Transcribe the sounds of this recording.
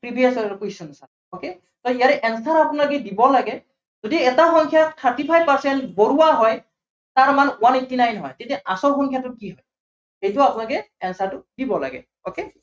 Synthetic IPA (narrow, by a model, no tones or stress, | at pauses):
pɹibʱiasɔkusɔnɔsa | oke | tɔijaɾɛʔɛnstaɾapʊnalɔkɛdibɔlaɡɛ | zodiɛtaxɔŋkʰijatʰaɹtipʰajbpaɹsɛntboɹuwaɦɔj | taɹmanwanetːinajnɦɔjtetɛʔasɔwxɔŋkʰijatʊkiɦɔj | hejtʊapʊnalkɛ | ɛnsaɹtʊdibɔla̰ɡɛ̰ | oke